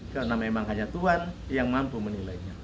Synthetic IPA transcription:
kalonamemaŋɦaɲat̪uɦanjaŋmampumənilaiɲa

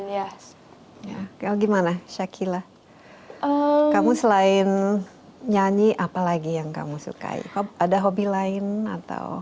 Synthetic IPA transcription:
a | jakalaɡimanaʃakʰilah | əkamusəlaɪn | ɲaɲiʔapalaɡijaŋka̰musṵka̰ḭhoadaɦobilaɪna̰t̪a̰w

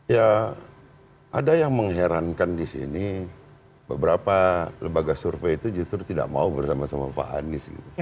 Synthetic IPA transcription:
ja | ʔadajaŋməŋɦeɾankandisḭni | bəbəɾapaləmbaɡasurfeit̪ud͡ʒust̪ɾut̪ida̰ʔma̰ubərsamasamafa̰a̰nɪsɡḭt̪u

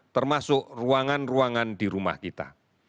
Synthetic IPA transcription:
t̪ərmasʊʔruaŋanruaŋandiɾuma̰hkit̪a̰

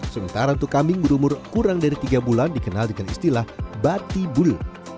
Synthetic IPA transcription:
səmənt̪aɾaunt̪ʊkːamɪŋbəɾumʊrkuɾaŋdaɾit̪iɡabulandikənaldəŋanḭst̪ilahbat̪ibʊl

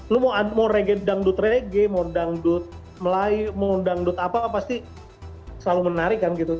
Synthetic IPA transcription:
lʊmamoɾeɡɛdaŋdʊt̪reɡɛmodaŋdʊt̪̚ | məlajmodaŋdʊt̪apapast̪i | səlalumənaɾɪkːanɡit̪u

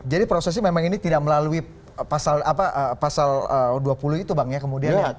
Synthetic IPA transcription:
d͡ʒadipɾosɛs̬ɲamemaŋinit̪idak̚məlalui | pasalapaʔəpasaləːduapuluit̪ubaŋɲakəmudianɲa

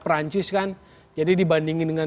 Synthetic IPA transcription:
pɾaɲt͡ʃɪskan | d͡ʒadidibandiŋidəŋa

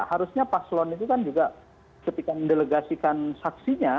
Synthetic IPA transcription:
haɾusɲapaslɔnit̪ukand͡ʒuɡa | səp̪ikandeləɡasikansaksiɲa

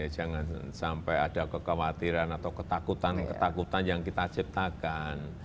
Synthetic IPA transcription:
ad͡ʒaŋansampɛjad̥akəkawat̪iɾanat̪awkət̪akut̪ankət̪akut̪anjaŋkit̪at͡ʃip̚t̪akan

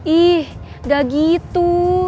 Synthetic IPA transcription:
ʔih | daɡit̪u

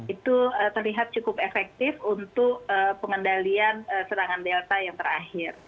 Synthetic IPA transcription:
it̪uət̪ərliɦat̪̚t͡ʃukʊpefɛk̚t̪ɪfunt̪ʊkəpəŋəndalianəsənaŋandelt̪ajaŋt̪əɾahɪr

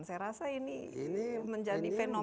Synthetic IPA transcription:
nsajaɾasainiiniməɲd͡ʒadifeno

